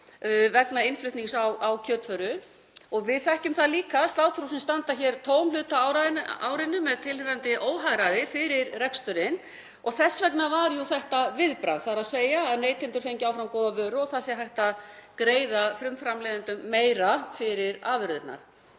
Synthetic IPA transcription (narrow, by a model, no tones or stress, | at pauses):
vɛknaɪnflʏht̪niŋsawawcʰœːt̪fœɾʏ | ɔɣvɪðθɛhcʏmθaðliːkast̪aːwt̪ʰɾuwsɪnst̪ant̪açɛɾt̪ʰoːwmlʏːt̪aawɾanaːwɾɪnːʏmːɛðt̪ʰɪlɾant̪ɪʔoːwɦaɣɾaðɪfɪɾɪɾrɛkst̪ʏɾɪn | ɔɣθɛsːvɛknavaɾjʊθɛht̪avɪðpɾa̰ðθaɾaðseːjaːðneːjt̪ʰɪnt̪ʏɾ̥fejɲcɪawfɾamkoːwðavœːɾʏɔɣθasjɛɦajht̪aðkɾeːjðafɾʏmfɾamlɛːðɪnt̪ʏmːeːjɾafɪɾɪɾaːvʏɾðʏt̪na̰ɾ̥